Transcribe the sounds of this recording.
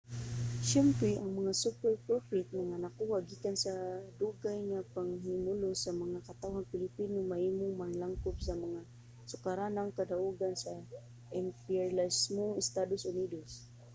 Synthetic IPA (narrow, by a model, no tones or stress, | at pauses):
ʃɛmpɾɛʔaŋmaŋasupɛɾpɾofɪt̪̚maŋanakuhaɡikansad̪uɡajŋapaŋhimʊlʊsamaŋakat̪awhaŋpɪlɪpinomahimʊŋmaŋlaŋkʊpsamaŋa | sʊkaɾanaŋkad̪aʔuɡansa | ʔɛmpilasmoŋɪst̪ad̪osʊnid̪os